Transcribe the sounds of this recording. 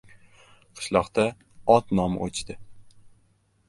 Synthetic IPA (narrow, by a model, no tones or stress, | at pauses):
qʰɨ̥ʃlˠɒqt̪a | ɒt̪nɒmʔot͡ʃt̪ɪ